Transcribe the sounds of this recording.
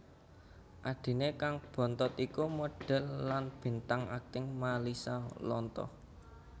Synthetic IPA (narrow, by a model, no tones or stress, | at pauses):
ʔaɖ̥i̤nekaŋb̥ɔ̤nt̪ɔt̪ikumoɖ̥ɛ̤lːanb̥i̤nt̪aŋa̰k̚t̪ɪŋmalisalɔ̰nt̪ɔ̰h